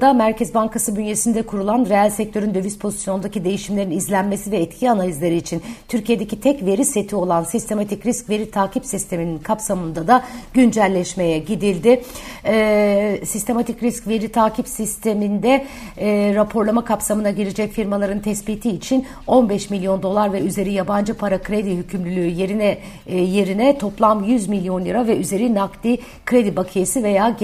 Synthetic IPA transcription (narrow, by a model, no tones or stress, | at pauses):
d̪amæɾcʰɛzbaŋkasɯbynje̞sind̪ɛkʰuɾulˠanɾeælʲsɛc̚t̪ʰøɾynd̪ø̞vyspʰo̞zi̥sjo̞nnd̪acid̪e̞jiʃimlʲe̞ɾinizlʲænme̞sivɛːt̪cʰianalʲizlʲeɾiːt͡ʃʰint̪ʰyɾcʰije̞d̪ecit̪ʰɛcve̞ɾise̞t̪ʰio̞lˠansist̪ʰe̞mat̪ʰicɾiscve̞ɾit̪ʰaːcipsist̪ʰe̞mininkʰapsamɯnd̪ad̪aɟynd͡ʒælʲːɛʃme̞jɛɟid̪ilʲd̪ɪɛsist̪ʰe̞mat̪ʰicɾiscve̞ɾit̪ʰaːcʰipsist̪ʰe̞mind̪ɛː | ɾapʰo̞ɾlˠamakʰapsamɯnaɟiɾid͡ʒɛcfiɾmalˠaɾɯnt̪ʰɛsbiːt̪ʰiːt͡ʃʰin | o̞nbɛʃmilʲjo̞nd̪o̞lˠaɾvɛyze̞ɾijaband͡ʒɯpʰaɾakʰɾed̪iɦycʰymlylʲyːje̞ɾinɛ | je̞ɾinɛt̪ʰo̞plˠamjyzmilʲjo̞njɯɾavɛʔyze̞ɾinaklʲi | kʰɾe̞d̪ibakʰɯjesive̞jaː